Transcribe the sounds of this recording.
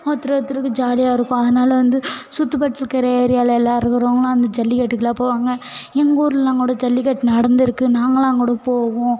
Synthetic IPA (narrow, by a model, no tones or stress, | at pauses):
ɐt̪ːɪɾɐɐt̪ːɪɾɯkːɯd͡ʒaːlɪjaːɪɾɯkːʊ̃ɐðɐnaːlɐʋɐnd̪ɯsʊt̪ːɯpɐʈːɪlkɪɾɐjeːɾɪjaːlɐɛlːaːɾɯkɐɾɐːŋɡɐlãːɐnd̪ɐd͡ʒɐlːɪkɐʈːɯkːɪlaːpːoːʋaːŋɡɐɛŋɡoːɾɯllãːŋɡuːɽɐd͡ʒɐlːɪkɐʈːnɐɽɐnd̪ɪɾɯkːɯnaːŋɡɐlãːŋɡuːɽɐpoːʋõː